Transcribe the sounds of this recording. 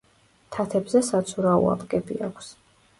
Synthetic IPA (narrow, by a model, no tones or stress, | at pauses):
t̪ʰat̪ʰɛbzɛsat̪sʰuɾaṵa̰pkʼɛbiakʷʰs